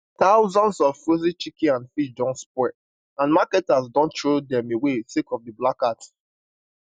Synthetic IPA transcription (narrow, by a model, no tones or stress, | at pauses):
taʊzɔ̃nsɔvfɹozit͡ʃikĩãnfiʃdɔ̃nspwɛ | ãnmakɛtazdɔ̃ntɹodɛ̃mewesekɔvdəblakat